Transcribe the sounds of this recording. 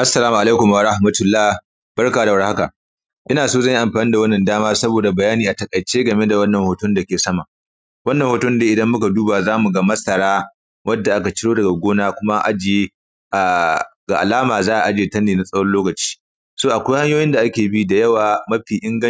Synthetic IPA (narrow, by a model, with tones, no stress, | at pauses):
ʔa˦sːɐ˨laː˦mu˨ʔa˨leː˦kʊ˨m˨a˨ɾa˦hmɐ˦tʊ˨lːaː˦ | b̥ɐ˦ɽkaː˨da˨wɐ˦rha˦ka˨ | ʔʔɪ˦naː˨soː˦zɐ˦˨ji˦ʔa˨mɸaː˨ni˦da˨wɐ˦nːɐ˨ndaː˦maː˦sɐ˦boː˨da˨bɐ˨jaː˦niː˨ʔa˨tɐ˨kʼɐ˨t͡ʃeː˦ɡɐ˨me˦da˨wɐ˦nːɐ˨ŋhoː˨tʊ˦nda˨kʲeː˨sɐ˦ma˨ | wɐ˦nːɐ˨ŋhoː˨tʊ˦n˦deː˦ʔɪ˨dɐ˦mːʊ˦ka˨duː˦baː˨zaː˦mu˨ɡa˦mɐ˦sʼɐ˨ɽaː˦ | wɐ˦dːa˨ʔa˦ka˨t͡ʃɪ˦ɽoː˦dɐ˨ɡa˨ɡʷoː˦naː˦kʷʊ˦ma˦ʔa̰˨d͡ʒeː˨ | ʔa˨ɡa˨ʔa̰˨laː˦maː˨zaː˦ʔa˨ʔa˨d͡ʒeː˨tɐ˦nːeː˨na˨sʼɐ˦wɐ˦nloː˦kɐ˨t͡ʃi̥ː˦ | soː˦ʔa˨kʷa˦jha˦ɲjoː˦jɪ˦nda˨ʔa˦kʲeː˨bi˦da˨jɐ˦waː˨mɐ˦ɸiː˨ʔɪ˦ŋɡɐ˦